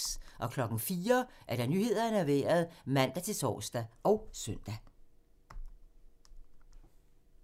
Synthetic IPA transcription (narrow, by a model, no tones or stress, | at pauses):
ʔɒ̽kʰlɒ̽ɡ̥n̩fiːɐʔæɐɾ̥ænyːhe̝ð̞̰ˠɐnæʋeːɐð̞̩ˠmæn̰d̥æt͡sʰe̝lsʰɒ̰ːsd̥æʔɒʊsœn̰d̥æ